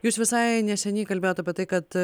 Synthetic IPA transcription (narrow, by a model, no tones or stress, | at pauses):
juːsʲʋʲɪsɑːjnʲɛʃʲɛnʲiːkɐlʲbʲeːjoːt̪ɐpʲɛt̪ɐɪkɐt̪